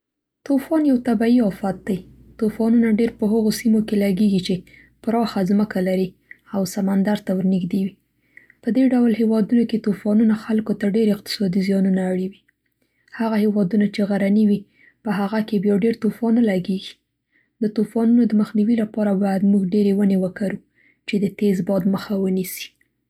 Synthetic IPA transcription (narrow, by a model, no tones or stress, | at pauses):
t̪ofɑnjawt̪abaiɑfat̪̚d̪aj | t̪ofɑnunaɖeɾpəɦaɣosimokelaɡeɡit͡ʃe | pɾɑxazməkʰalaɾi | awsamand̪aɾt̪awəɾnɪɡd̪ewi | pəd̪eɖawlɦewɑd̪unoket̪ofɑnunaxalkot̪aɖeɾɪq̚t̪ɪ̥sɑd̪izjɑnunaːɽiwi | haɣahewɑd̪unat͡ʃeɣaɾaniwi | pəɦaɣakebjɑɖeɾt̪ofɑnalaɡeɡi̥ | d̪ət̪ofɑnunod̪əməxniwilapɑɾabɑjad̪muɡɖeɾewənewəkaɾu | t͡ʃed̪ət̪ezbɑd̪məxawənisi̥